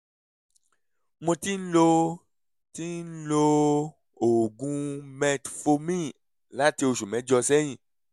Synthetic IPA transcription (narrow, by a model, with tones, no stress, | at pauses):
mõ˧ti˦n̩˦lo˧ | ti˦nn̩˦lo˧ | o˨ɡũ˨˧mɛ̃˧tfo˧mĩ˦ | la˨˦ti˧o˧ʃu˨mɛ̃˨˦d͡ʒɔ˧sɛ˦j̃ĩ˧˨